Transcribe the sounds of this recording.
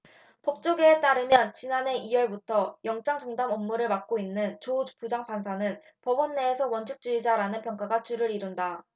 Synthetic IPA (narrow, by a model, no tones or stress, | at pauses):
pʌp̚t͡ɕ͈oɡeːt͈aɾɯmjʌnt͡ɕinane̞ʔiwʌɭbutʰʌjʌŋt͡ɕ͈aŋt͡ɕʌŋdamʌmːuɾɯɭmak̚k͈oinːɯnt͡ɕod͡ʑu̥pud͡ʑaŋpansʰanɯn | pʌbʌnːe̞ːsʰʌwʌnt͡ɕʰɯk̚t͡ɕ͈uid͡ʑaɾanɯnpjʌŋk͈aɡat͡ɕuɾɯɾiɾunda